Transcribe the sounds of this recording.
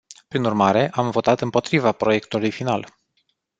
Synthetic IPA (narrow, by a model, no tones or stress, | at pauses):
pɾinurmaɾe̞ʔamvo̞t̪at̪ɨmpo̞t̪ɾivapɾo̞je̞kt̪ulujfinal